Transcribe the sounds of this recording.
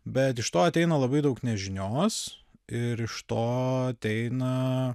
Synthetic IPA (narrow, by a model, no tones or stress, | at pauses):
bʲɛt̪ɪʃt̪oːɐt̪ʲɛɪnɐlˠɐbɐɪd̪ɐʊknʲɛʒʲɪnʲoːs | ɪɾɪʃt̪oːɐt̪ʲɛɪnɐ